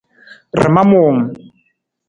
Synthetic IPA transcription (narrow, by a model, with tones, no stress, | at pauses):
rɪ̰˨ma˦moː˨ŋ̩˨